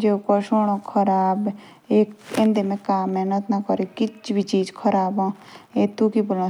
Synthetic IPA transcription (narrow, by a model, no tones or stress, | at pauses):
d͡ʒekɔʃoːɽ̃õkʰɐɾaːb | eːkɪ̃nd̪emẽkaːmːɛːnət̪nɐkəɾekɪt͡ʃbʱit͡ʃiːd͡ʒkʰəɾaːbãːeːt̪ukibʊlã